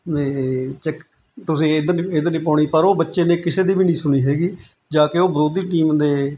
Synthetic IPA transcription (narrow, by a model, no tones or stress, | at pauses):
neːt͡ʃɛk | t̪ʊsĩːed̪nied̪nĩːpãːɳ̃iːpəɾoːbətːʃeːneːkɪseːd̪iːbiːnĩːsʊɽ̃iːɦɛːɡiː | d͡ʒãːkeoːbəɾoːd̪iːʈiːmd̪eː